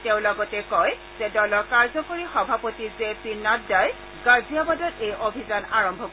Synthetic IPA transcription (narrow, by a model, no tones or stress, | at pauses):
teʊ̃lɔɡɔtɛkɔj | z̥ɛdɔlɔɹkaɹzɔkoɹixɔbʱapotizepinːatdaj | ɡaziabadɔtejobʱizanaɹɔmbʱɔk